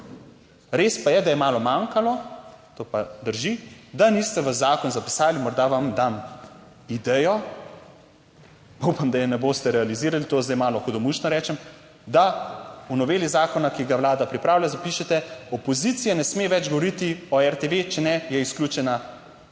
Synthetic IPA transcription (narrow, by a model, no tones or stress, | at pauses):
ɾeːspajɛd̪ajɛmaːlɔmaŋkalɔt̪oːpad̪əɾʒid̪anist̪ɛʋazːaːkɔnzapi̥saːlimɔɾd̪aʋamd̪am | id̪ɛjɔ | paupamd̪ajɛnɛboːst̪ɛɾɛaliziːɾalit̪oːzd̪ɛjmaːlɔxɔd̪ɔmuʃnɔɾɛːt͡ʃɛm | d̪aunɔʋeːlizaːkɔnakiɡaʋwlaːd̪apɾipɾaːwlʲjazapiːʃɛt̪ɛɔpɔzit̪sijanɛsmeʋɛd͡ʒɡɔʋɔɾit̪iɔɛɾt̪eʋet͡ʃɛnɛjɛisklʲuːt͡ʃɛna